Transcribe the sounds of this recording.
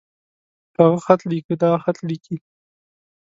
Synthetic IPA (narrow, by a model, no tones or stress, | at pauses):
haɣaxat̪likəd̪ɑxat̪liki